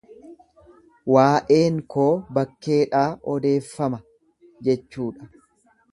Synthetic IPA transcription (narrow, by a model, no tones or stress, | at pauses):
waːʔe̞ːŋkʰo̞ːbɐkːe̞ːᶑaːʔɔd̪e̞ːfːɐmɐ | d͡ʒɛt͡ʃːuːᶑɐ̥